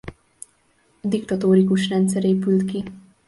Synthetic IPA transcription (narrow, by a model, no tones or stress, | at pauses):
d̪ikt̪ɒt̪oːɾikuʃrɛnt̪sɛɾeːpylt̪ki